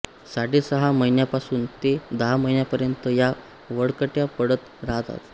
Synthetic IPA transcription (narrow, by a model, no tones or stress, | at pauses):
saɽisəɦaməinjapasuːnt̪ed̪əɦaməɦinjapəɾjənt̪əja | ʋəɽkəʈjapəɽət̪ɾaɦt̪a̰t̪